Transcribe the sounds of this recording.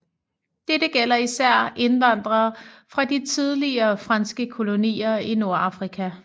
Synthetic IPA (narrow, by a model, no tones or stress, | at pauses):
d̥eɾ̥əɡ̥el̰ɐisæɐ̰ʔe̝nʋɑ̈n̰d̥ʁɐːfʁɑ̈d̥it͡sʰið̞ˠliɐːfʁɑ̈nsɡ̥əkʰo̝lo̝nḭːɐino̝ɐɑ̈fʁikʰæ